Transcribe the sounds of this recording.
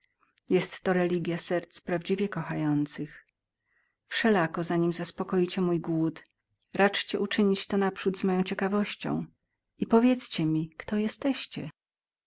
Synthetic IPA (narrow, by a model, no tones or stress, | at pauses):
jɛst̪ːɔɾɛlʲiɡʲjasɛɾt̪spɾavd͡ʑivʲjɛkɔxajɔnt̪sɘx | fʂɛlakɔzaɲimzaspɔkɔjit͡ɕɛmujɡwut̪ | ɾʔat͡ʂt͡ɕɛʔut͡ʂɘɲit͡ɕt̪ɔnapʂud̪zmɔjɔ̃w̃t͡ɕɛkavɔɕt͡ɕɔ̰̃w̃ | ipɔvʲjɛt̪st͡ɕɛmʲikt̪ɔjɛst̪ɛɕt͡ɕɛ